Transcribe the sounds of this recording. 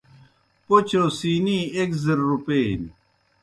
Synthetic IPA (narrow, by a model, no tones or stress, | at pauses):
pot͡ɕʰosiːniːekzɐɾːupeːn